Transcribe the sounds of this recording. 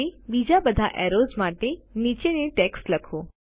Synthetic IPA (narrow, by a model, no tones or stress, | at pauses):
ebiːd͡ʑabəd̪ʱaʔɛːɾoːzmaːʈeniːt͡ɕenẽʈɛksləkʰoː